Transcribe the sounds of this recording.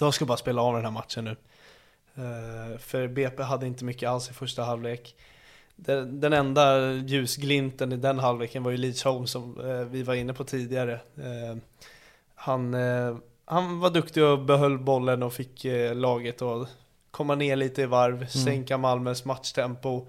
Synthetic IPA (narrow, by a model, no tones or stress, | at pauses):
j̪ɔmskabɑːɾaspeːlaɑːvd̪ɛnhæːɾmat̪ʂənːʉ̟ː | fœɾbeːpeɦad̪ːəɪnt̪əmʏkːəalsɪfœʂʈaɦalvveːk | d̪ɛd̪ɛnɛnd̪ajʉ̟ːsɡlɪnt̪ənɪd̪ɛnɦalveːkənvajɵliːshɔʊmsɔmvɪvaɾɪnːəpʰɔt̪ʰiːd̪ɪɡaɾə | han | hanvaɖɵkt̪ɪɡɔbɛɦœlːbɔlːənɔfɪkːlɑːɡət̪ʰɔ | kʰɔmːaneːɭiːt̪əɪvaɾvsɛŋkamalmœsmat̪ʂt̪ʰɛmpʊ